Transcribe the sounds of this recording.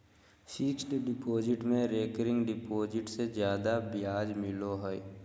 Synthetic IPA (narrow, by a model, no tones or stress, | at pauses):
sɪksʈɖɪpoːd͡ʒɪʈmẽɾeːkəɾɪ̃ŋɡɖɪpoːd͡ʒɪʈsed͡ʒjaːd̪abɪjaːd͡ʒmɪloɦɔj